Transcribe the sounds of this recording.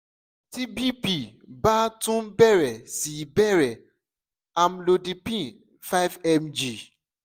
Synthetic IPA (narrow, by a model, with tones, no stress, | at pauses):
ti˦bi˦pi˦˨ba˦tũ˦bɛ˦ɾɛ˨si˨bɛ˦ɾɛ˨ | a˨mlo˨di˨pĩ˦˨ | fa˦ɪ˦vɛ˦md͡ʒi˨